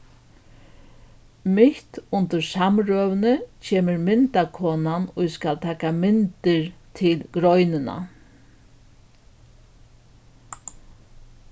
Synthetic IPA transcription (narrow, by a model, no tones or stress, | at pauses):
mɪht̪ʊnt̪ʏɾsamɾœːʋnət͡ʃʰeːməɾmɪnt̪akʰɔːnanʊjskalt̪ʰɛːkamɪnt̪ɪɾt̪ʰɪlɡɾɔjnɪna̰